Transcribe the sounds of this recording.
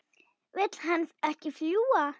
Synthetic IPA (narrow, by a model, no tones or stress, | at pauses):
vɪt̪l̥hansɛhcɪfljuːa